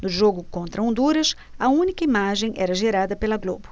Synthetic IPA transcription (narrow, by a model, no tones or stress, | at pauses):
nʊʒoɡʊkõnt̪ɾɐõnd̪uɾɐs | ɐũnikɐimaʒẽj̃ʔɛɾɐʒeɾad̪ɐpelɐɡlo̰bʊ